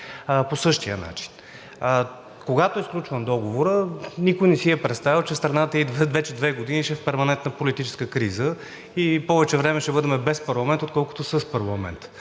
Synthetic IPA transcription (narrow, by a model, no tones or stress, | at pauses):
posɤʃt̪ijə̰na̰t͡ʃi̥n | koɡat̪oɛsklʲut͡ʃvənd̪ɔɡovoɾənikojnɛsiɛpɾɛt̪st̪avit͡ʃɛst̪ɾɐnat̪əid̪vɛvɛt͡ʃɛd̪vɛɡod̪iniʃɛfpɛɾmɐnɛnt̪nəpolit̪it͡ʃɛ̥skəkɾizə | ipɔvɛt͡ʃɛvɾɛmɛʃɛbɤd̪ɛmɛbɛspɐɾlˠɐmɛnt̪ot̪kɔlˠko̥t̪osəspɐɾlˠɐmɛ̰nt̪